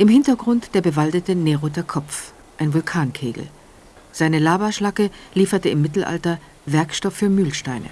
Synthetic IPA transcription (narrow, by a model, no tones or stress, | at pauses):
ʔɪmhɪntɐɡʁʊntd̥eːɐbəvaldətəneʁotɐkʰɔp͡f | ʔaɪnvʊlkʰaːnkʰeːɡl̩ | z̥aɪnəlaːbaʃlakəliːfɐtəɪmːɪtl̩ʔa̰ltɐ | vɛɐkʃtɔfːyːɐmyːlʃtaɪnə̰